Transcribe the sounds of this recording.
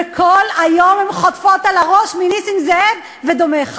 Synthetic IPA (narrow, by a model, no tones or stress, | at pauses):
kʰolajomemχot̪fot̪alaʁo̞ʃminisiŋzeev | ved̪omeχ